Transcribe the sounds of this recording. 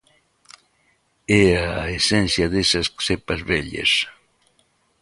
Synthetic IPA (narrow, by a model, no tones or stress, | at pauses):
eaesẽnθjɐðesɐssepɐzβeʎḛs